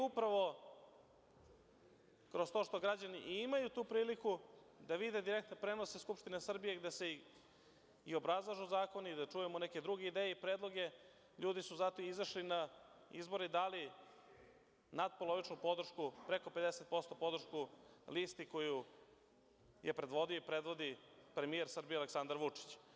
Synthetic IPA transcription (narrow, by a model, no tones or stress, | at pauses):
upɾaʋo̞ | kɾo̞st̪oːʃt̪o̞ɡɾad͡ʑanḭʔimajut̪uːpɾiːliku | d̪aʋid̪e̞d̪iɾek̚t̪nepɾe̞no̞seskupʃt̪inesr̩bijeɡd̪ese | io̞bɾazlˠaʒuzaːko̞nid̪at͡ʂuːjemoneke̞d̪ɾuɡe̞id̪eːjeipɾeːd̪lˠo̞ɡe̞ | ʎuːd̪isuzat̪oizaʃlinaḭzbo̞ɾid̪ali | nad̪̚polo̞ʋit͡ʂnupo̞d̪r̩ʃkupɾeko̞pe̞d̪ese̞t̪̚po̞st̪o̞po̞d̪r̩ʂʃkulist̪iko̞ju | jepɾe̞d̪ʋo̞d̪ioipɾe̞d̪ʋo̞d̪ipɾe̞mijeɾsr̩bijealeksand̪aɾʋut͡ʂi̥t͡ɕ